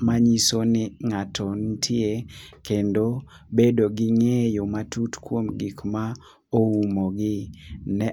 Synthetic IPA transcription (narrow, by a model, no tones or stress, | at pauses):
maɲisonɪŋatʰɔntʰɪekendo | bedoɡɪŋejomatutkwomɡikma | oumoɡɪnɛ